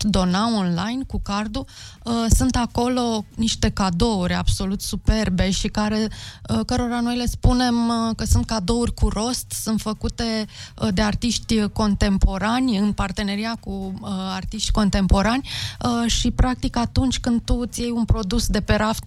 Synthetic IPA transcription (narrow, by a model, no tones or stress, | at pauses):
d̪o̞naonlajnkukard̪u | əsunt̪ako̞lo̞niʃt̪e̞kad̪o̞urʲa̰b̥so̞lut̪supe̞rbe̞ʃikaɾe̞əkəɾo̞ɾano̞jle̞spune̞mkəsunt̪̚kad̪o̞urʲkuɾo̞st̪sunt̪fəkut̪e̞d̪e̞art̪iʃt̪ʲko̞nt̪e̞mpo̞ɾanʲɨnpart̪e̞ne̞ɾiakuart̪iʃt̪ʲko̞nt̪e̞mpo̞ɾanʲəʃipɾak̚t̪ikat̪unt͡ʃʲkɨnd̪̚t̪ut̪sijejunpɾo̞d̪usd̪e̞pe̞ɾaft̪